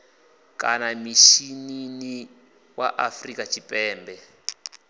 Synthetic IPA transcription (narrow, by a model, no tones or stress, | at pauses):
kʼa̰namiʃinini | waʔafrikʼat͡ʃʰipʼɛːmbɛ